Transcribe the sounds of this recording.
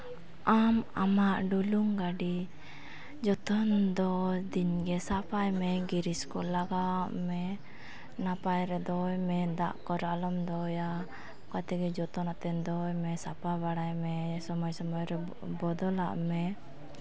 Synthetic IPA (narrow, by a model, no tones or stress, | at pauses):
ʔamamaʔɖuluŋɡaɖi | d͡ʒɔt̪ɔnd̪ɔd̪inɡɛsapajmɛɡiɾiskɔlaɡaʔmɛ | napajɾɛd̪ɔjmɛd̪a̰ʔkɔɾalɔmd̪ɔja | kat̪ɛɡɛd͡ʒɔt̪ɔnat̪ɛnd̪ɔjmɛsapabaɽajmɛsɔmɔjsɔmɔjɾɛ | bɔd̪ɔla̰ʔmɛ